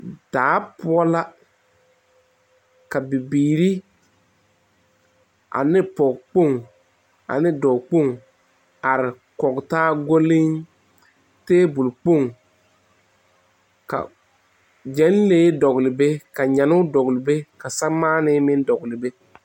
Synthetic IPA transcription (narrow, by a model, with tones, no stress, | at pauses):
d̥aː˨˦pʊ˦ɔ˦la˦ | ka˨bi˨biː˨ɾi˦ | ʔa̰˨nɪ˦pɔ˨ɡk͡po˦˨ŋ | a̰˨nɪ˦dɔ˨k͡po˦˨ŋ | a˨ɾɪ˨ | kɔ˨ɡtaː˦ɡo˦lɪ˦ŋ | teː˦bʊ˨lk͡po˦˨ŋ | ka̰˨ | d͡ʒɛ˨˦nleː˦dɔ˨ɡlɪ˨be˦ka˨ɲa˨nʊ˦dɔ˨ɡlɪ˨be˦ka˨sa˦maː˦nɪ˦mɪ˦n˦dɔ˨ɡlɪ˨be˦